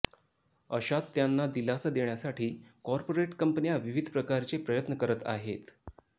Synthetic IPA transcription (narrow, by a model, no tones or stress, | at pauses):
əɕat̪ːjanːad̪ilasəd̪eɳjasaʈʰiːkɔɾpoɾeʈkəmpnijaʋiʋid̪ʱpɾəkaɾt͡sepɾəjət̪nəkəɾət̪a̰ɦet̪